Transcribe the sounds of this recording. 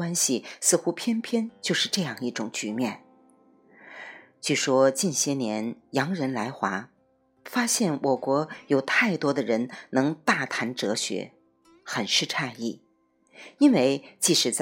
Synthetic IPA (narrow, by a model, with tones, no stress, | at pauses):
wa˥nɕi˨sɹ̩˥˧xu˥pʰjɛ˥npʰjɛ˥nt͡ɕjo˥˧ʊʂɻ̩˥˧ʈ͡ʂɤ˥˧jɑ˥˧ŋi˥˩ʈ͡ʂʊ˨˩ŋt͡ɕy˧˥mjɛ˥˩n | t͡ɕy˥˩ʂwɔ˥t͡ɕi˥˩nɕjɛ˥njɛ˧˥njɑ˧˥ŋɻə˧˥nla˧˥ɪxwa˧˥ | fa˥ɕjɛ˥˩nwʔɔ˨˩kwɔ˧˥jo˨˩ʊt̪ʰa˥˩ɪt̪wɔ˥d̪ə˨ɻə˧˥nnɤ˧˥ŋt̪a˥˩t̪ʰa˧˥nʈ͡ʂɤ˧˥ɕɥɛ̰˧˥ | xə˨˩nʂɻ̩˥˧ʈ͡ʂʰa˥˧i˥˩ | i˥nwe˥˧ɪt͡ɕi˥˩ʂɻ̩˨˩t͡s